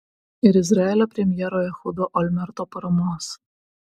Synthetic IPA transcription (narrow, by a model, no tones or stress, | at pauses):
iɾɪzɾɑlʲɔpɾʲɛmʲjɛɾɔjɛxʊd̪ɔʔɔlʲmɛɾt̪ɔpɔɾɔmɔs